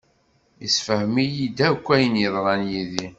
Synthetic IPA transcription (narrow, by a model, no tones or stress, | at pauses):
əsfəhmijid̪ækʷːæjənjiðˤɾˤɑnjiði